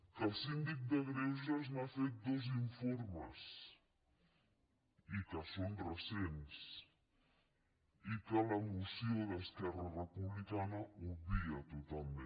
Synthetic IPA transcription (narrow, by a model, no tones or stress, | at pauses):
kəlˠsind̪ik̚d̪əɣɾeʒəznafet̪̚d̪oziɱfoɾməs | ikəsonrəsens | ikələmusioðəskɛrɐrəpuβlikanɐuβiɐt̪ut̪alˠmẽ